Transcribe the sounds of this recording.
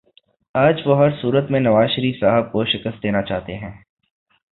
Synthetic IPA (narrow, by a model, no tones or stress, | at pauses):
aːd͡ʒʋoɦɐɾsuːɾət̪mẽnɐʋaːzʃəɾiːfsaːɦəb̚koʃɪkəst̪̚d̪eːnat͡ʃa̰ːɦt̪eɦɛ̃ː